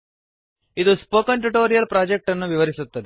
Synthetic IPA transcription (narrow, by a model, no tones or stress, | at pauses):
id̪uspoːkɐɳʈuʈoːɾijɐlpɾaːd͡ʒek̚ʈɐnːuʋiʋɐɾisut̪ːɐd̪i